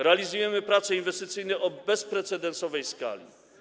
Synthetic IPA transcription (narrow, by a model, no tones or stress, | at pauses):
ɾɛalʲizujɛmɘpɾat̪sɛinvɛst̪ɘt̪sɘjnɛʔɔbɛspɾɛt̪sɛd̪ɛnsɔvɛjska̰lʲḭ